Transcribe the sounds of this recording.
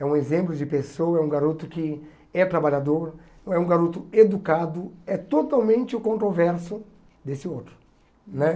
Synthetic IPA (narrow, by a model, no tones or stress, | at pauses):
ɛũezẽmplʊd͡ʒɪpesowɐɛũɡaɾut̪ʊkɪ | ɛt̪ɾabaʎad̪oɾ̃ɛũɡaɾut̪ʊed̪ukad̪ʊɛt̪ot̪awmẽnt͡ʃɪʊkõnt̪ɾovɛɾsʊ | d̪esɪowt̪ɾʊ̥ | nɛ